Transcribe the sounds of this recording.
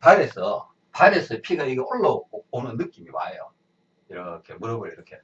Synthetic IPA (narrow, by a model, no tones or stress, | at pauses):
paɾesʰʌ | paɾes͈ʰʌpʰiɡaiɡeʔoɭːʌponɯnːɯk͈imima̰jo̰ | iɾʌkʰe̞muɾʌbʌɾiɾʌkʰe̞